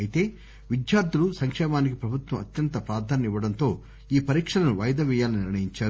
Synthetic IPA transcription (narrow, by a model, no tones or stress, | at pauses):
jit̪e̞ː | ʋid̪jaːɾd̪ʱulusɐŋkʂɛːmaːnikipɾɐbʱut̪ʋɐmɐt̪jɐnt̪ɐpɾaːɾd̪ʱaːnɐiʋːɐɽɐnt̪o̞ː | iːpɐɾiːkʂɐlɐnuʋɐjɐd̪ɐʋɛːjaːlɐniniɾɳɐjiɲt͡ʃaːɾ